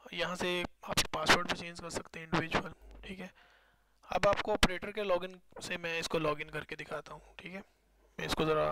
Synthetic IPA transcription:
jɐɦãseaːppaːspoːɾʈbet͡ʃẽːɲd͡ʒkɐɾsɐkt̪eɦɛɪ̃ɳɖɪʋɪd͡ʒuəlʈʰiːkɦɛː | ɐ̰baːpkoɔːpɾeːʈəɾkelɔːɡɪnsemɛ̃ɪskolɔːɡɪ̃nkɐɾked̪ɪkʰaːt̪aɦũʈʰiːkɦɛː | mɛ̃ɪskozɐɾa

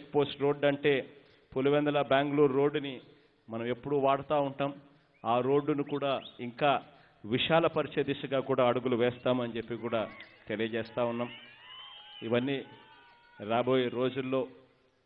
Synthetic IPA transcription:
ekpo̞ːsʈɾo̞ːɖɐɳʈe̞ː | puluʋɛnd̪ɐlɐbaːŋɡluːɾːo̞ːɖːuni | mɐnɐme̞pːuɽuʋaːɽɐt̪aːuɳʈaːm | aːɾo̞ːɖːunikuːɽaːiŋkaː | ʋiʂaːlɐpɐɾiʃɐd̪iʃɐɡaːkuːɽaːɐɽuɡuluʋɛːst̪aːmɐnt͡ʃe̞pːikuːɽaːt̪e̞lijɐt͡ʃɛːst̪aːunːaːm | iʋɐnːi | ɾaːbo̞ːjeɾo̞ːd͡ʒulːo̞ː

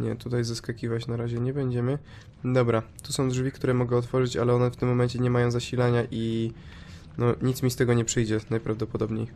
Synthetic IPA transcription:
ɲɛ̰t̪ut̪ajzaskakʲivat͡ɕnaɾaʑɛɲɛbɛɲd͡ʑɛmɘ | d̪ɔbɾa | t̪usɔ̃w̃d̪ʐvʲikt̪uɾɛmɔɡɛɔt̪fɔʐɘt͡ɕa̰lɛɔnɛft̪ɘmːɔmɛnt͡ɕɛɲɛmajɔ̃w̃zaɕilaɲaʔi | nɔɲit̪smʲist̪ɛɡɔɲɛpʂɘjd͡ʑɛnajpɾavd̪ɔpɔd̪ɔbɲej

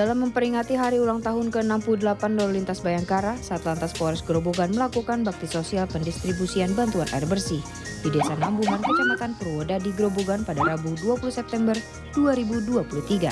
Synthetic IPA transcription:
d̥alamːəmpəɾiŋat̪iɦaɾiulaŋt̪aɦʊnkəənampuludəlapanlɔllint̪asbajaŋkaɾasaat̪lant̪aspɔɾɛsɡɾoboɡanməlakukanbak̚t̪isosialpəndist̪ɾibusianbant̪uanʔa̰ɛrbərsi | bidɛsanambuɦankət͡ʃamat̪anpərwodadiɡɾoboɡanpadaɾabuduapulusɛp̚t̪ɛmbər | duaɾibuduapuluht̪iɡa̰

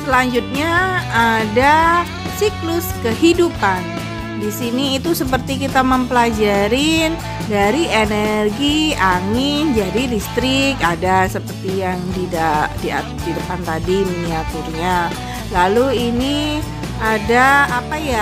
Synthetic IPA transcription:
səlaɲd͡ʒut̪̚ɲaː | da | siklʊskəhidupan | disiniːt̪usəp̬ərt̪ikit̪aməmpəlad͡ʒaɾɪn | daɾienərɡiaŋɪnd͡ʒadidist̪ɾɪkadasəpərt̪ijaŋdidadia̰ | didəpant̪adiminiat̪urɲa | laluini | adaːpaja

